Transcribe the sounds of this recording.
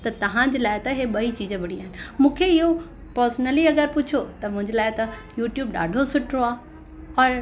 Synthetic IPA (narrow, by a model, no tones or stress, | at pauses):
t̪ɐt̪ɐʋ̤ãd͡ʑlaːɪt̪ɐɦeɓɐit͡ɕiːd͡ʑəbɪɽiaːɦɪnɪ̆mũːkʰeɪɦo | pəɾsnəliɐɡəɾpʊt͡ɕʰjot̪ɐmʊ̃ɦɪ̃ɲd͡ʑlaːɪt̪ɐjuːʈjuːbɗa̰ːɖʱosʊʈʰɾoaː | ɔːɾ